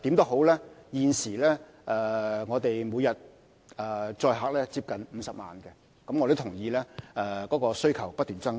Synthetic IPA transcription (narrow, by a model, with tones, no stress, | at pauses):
t̪iː˨˥mt̪o˥hɦo˨˥wlɛː˥jiː˨nsiː˨˩lɛː˥ | ʔɛː˨ŋɔː˨˧t̪e˨jmuː˨˧jɐ˨t̚ | ɛ˨t͡sɔː˧jɦaː˨k̚lɛː˥t͡siː˧p̚kɐ˨nm̩˨˧sɐ˨p̚ma̰ː˨nkɛ˧ | kɐ˨˥mɔ˨˧t̪o˥t̪ʰʊ˨˩ŋjiː˨˧lɛː˥ɛ˧kɔː˨˥kɔː˧sɵ˥ɥkʰɐ˨˩wpɐ˥t̚t̪yː˨nt͡sɐ˥ŋ